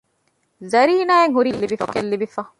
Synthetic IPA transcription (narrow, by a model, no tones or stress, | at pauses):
zɐɾiːnaːeŋɦuɾilːibifɐkɐlːibifɐ